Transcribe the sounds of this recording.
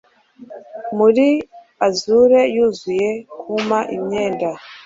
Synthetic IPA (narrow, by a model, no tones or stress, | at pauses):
muɾi | azuɾe̞juːzuje̞kʰumaʔimɲe̞ːnda